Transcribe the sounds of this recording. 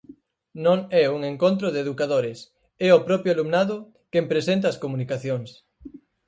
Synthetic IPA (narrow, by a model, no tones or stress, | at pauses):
nõŋɛuŋeŋkont̪̬ɾoðeðukaðoɾɪs | ɛopɾɔpjoalumnaðʊ | kempɾesent̪̬ɐːskomunikaθjoŋs